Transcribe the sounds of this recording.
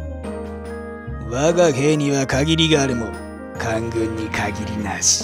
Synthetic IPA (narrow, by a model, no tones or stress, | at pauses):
βaɡaheːɲ̟iβakaɡʲiɾʲiɡaːɾɯmo | kʰaŋɡɯ̃ɲːikʰaɡʲiɾʲinaɕi̥